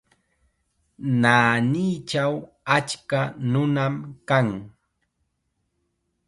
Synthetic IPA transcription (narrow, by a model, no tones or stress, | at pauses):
naːniːt͡ʃaw | at͡ʃkanʊnamkaŋ